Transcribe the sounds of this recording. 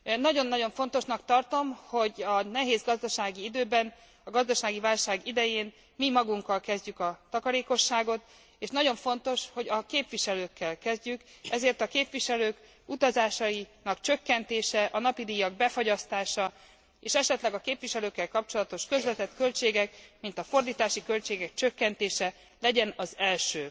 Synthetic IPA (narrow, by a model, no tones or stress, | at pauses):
nɒɟo̞nːɒɟo̞ɱfo̞nt̪o̞ʃnɒkt̪ɒrt̪o̞mho̞ɟɒnɛɦeːzɡɒzd̪ɒʃaːɡiid̪øːbɛn | ɒɡɒzd̪ɒʃaːɡivaːlʃaːɡid̪ɛjeːn | mimɒɡuŋkːɒlkɛzɟykɒt̪ɒkɒɾeːko̞ʃːaːɡo̞t̪ | eːʃnɒɟo̞ɱfo̞nt̪o̞ʃho̞ɟɒkeːpʋiʃɛløːkːɛlkɛzɟykɛzeːrt̪ɒkeːpʋiʃɛløːk | ut̪ɒzaːʃɒjinɒkt͡ʃøkːɛnt̪eːʃɛʔɒnɒpid̪iːjɒɡ̚bɛfo̞ɟɒst̪aːʃɒ | eːʃɛʃɛt̪lɛɡɒkeːpviʃɛløːkːɛlkɒp̚t͡ʃo̞lɒt̪o̞ʃkø̞zvɛt̪ɛt̪kø̞lt͡ʃeːɡɛkmint̪ɒfo̞rd̪iːt̪aːʃikølt͡ʃeːɡɛkt͡ʃø̞kːɛnt̪eːʃɛ | lɛɟɛnɒzɛlʃøː